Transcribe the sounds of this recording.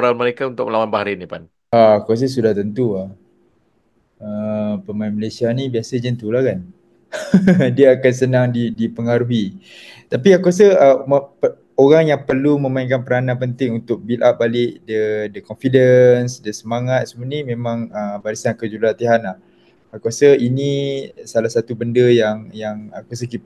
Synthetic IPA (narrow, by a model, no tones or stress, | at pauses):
ɾanməɾekaunt̪ʊk̚məlawanbahaɾinipan | aakuas̬əs̬udaht̪ənt̪uah | əpəmainməlesianibiasəd͡ʒənt̪ulahkan | diəakans̬ənaŋdidipəŋaɾuɦi | t̪apiakuas̬əəməpə | oɾaŋjaŋpərlumə̃maĩŋkanpəɾanãpənt̪ɪŋunt̪ʊk̚bilʔap̚balɪʔdədəkɔnfidənsdəsəmaŋat̪̚səmunimẽmãŋəbaɾisankəd͡ʒulat̪iɦanlah | akuasəinisalasat̪ubəndəjaŋjaŋakas̬əki